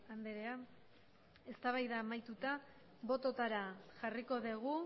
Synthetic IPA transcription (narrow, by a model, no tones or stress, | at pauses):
and̪eɾe̞a | e̞st̪aβ̞ajðaːmajt̪ut̪a | βo̞t̪o̞t̪aɾaʝariko̞ðeɣ̞u